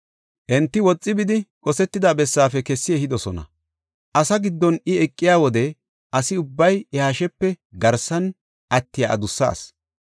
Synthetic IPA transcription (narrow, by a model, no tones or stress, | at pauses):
ʔɛnt̪ːɪwɔt͡sʼːɪbɪd̪ɪkʼɔsɛt̪ːɪd̪aːbɛsːaːfɛkɛsːɪɛhɪd̪ɔsɔnɐ̰ | ʔɐsɐɡɪd̪ːɔnɪɛkʼːɪjaːwɔd̪ɛ | ʔɐsɪʊbːɐjɛhaːʃɛpːɛɡɐɾsːɐn | ʔɐt̪ːɪja̰ʔɐ̰d̪ʊsːa̰ːs